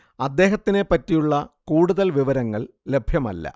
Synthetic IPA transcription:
ɐd̪ːe̞ːɦɐt̪ːine̞pːɐtːijuɭːɐkuːɽuðɐlʋiʋɐɾɐŋːɐɭ | le̞bʱjɐmɐ̰lːɐ̰

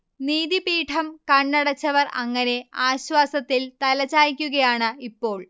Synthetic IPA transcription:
niːðipiːʈʰɐmkɐɳːɐɽɐt͡ɕːɐʋɐrɐ̰ŋːɐne̞aːɕwaːsɐt̪ːilt̪ɐlɐt͡ɕːaːjikʲːuɣɐjaːɳɨipːo̞ːɭ

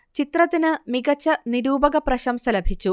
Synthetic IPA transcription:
t͡ɕit̪rɐt̪ːinɨmiɡɐt͡ɕːɐniɾuːbɐɣɐprɐɕɐmsɐlɐbʱit͡ɕːu

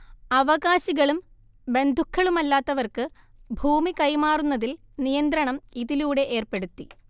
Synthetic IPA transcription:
ɐʋɐɣaːɕiɣɐɭum | be̞nd̪ʱukʰːɐɭumɐlːaːt̪ːɐʋɐrkɨ | bʱuːmikɐjmaːrunːɐðil | nijɐnd̪ɾɐɳɐmiðiluːɽe̞ʔeːrpe̞ɽut̪ːi

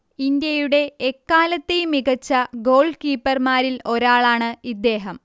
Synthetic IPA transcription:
ind̪jɐjuɽe̞ːkːaːlɐt̪ːejumiɣɐt͡ɕːɐɡo̞ːɭkiːpːɐrmaːɾilo̞ɾaːɭaːɳɨid̪ːe̞ːɦɐm

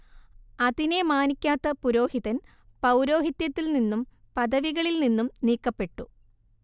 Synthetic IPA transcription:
ɐðine̞maːnikʲːaːt̪ːɐpuɾo̞ːhiðɐn | pɐwɾo̞ːɦit̪jɐt̪ːilninːum | pɐðɐʋiɣɐɭilninːumniːkːɐpːe̞ʈːu

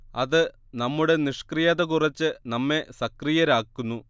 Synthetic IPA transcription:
ɐðɨ | nɐmːuɽe̞niʂkrijɐðɐkurɐt͡ɕːɨnɐmːe̞sɐkrijɐɾaːkːunːu

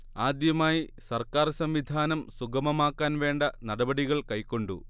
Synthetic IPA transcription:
aːd̪jɐmaːjisɐrkaːrsɐmʋid̪ʱaːnɐmsuɡɐmɐmaːkːaːnʋe̞ːɳɖɐnɐɽɐbɐɽiɣɐɭkɐjkːo̞ɳɖu

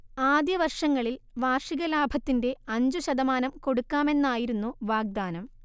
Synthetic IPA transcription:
aːd̪jɐʋɐrʂɐŋːɐɭilʋaːrʂiɣɐlaːbʱɐt̪ːinde̞ɐɲd͡ʑuɕɐd̪ɐmaːnɐmko̞ɽukːaːme̞nːaːjiɾunːuʋaːɡ̚d̪aːnɐm

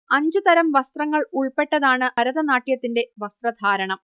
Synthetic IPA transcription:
ɐɲd͡ʑɨt̪ɐɾɐmʋɐst̪rɐŋːɐɭuɭpːe̞ʈːɐðaːɳɨɐɾɐðɐnaːʈːijɐt̪ːinde̞ʋɐst̪rɐd̪ʱaːɾɐɳɐm

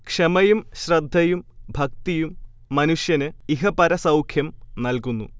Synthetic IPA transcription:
kʂɐmɐjumɕrɐd̪ʱːɐjumbʱɐk̚t̪ijumː | ɐnuʂjɐnɨiɦɐpɐɾɐsɐwkʰjɐmnɐlkunːṵ

